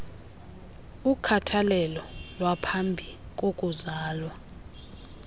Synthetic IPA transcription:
ukʰatʰalɛlɔlwapʰambʱik̬ʼokʼuzaːlwa

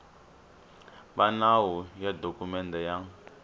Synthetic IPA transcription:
βanawɔjadʱokumɛndɛja

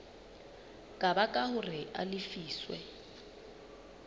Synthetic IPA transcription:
kʼabakʼahʊrɪa̰lɪfiːswɛ̰

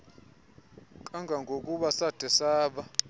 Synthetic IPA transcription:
kʼaŋɡʱaŋɡʱokʼuɓasad̥ʱɛsaːɓa

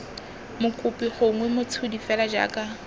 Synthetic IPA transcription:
mʊkʼʊpʼiχʊŋwɛmʊt͡sʰʊdifɛlad͡ʒa̰ːkʼa

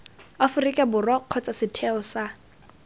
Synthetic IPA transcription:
afʊrikʼɛbʊrɔq͡χʰɔt͡sʼasɪtʰɛɔsa

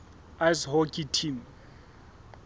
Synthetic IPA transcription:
ajshɔkʼitʰim

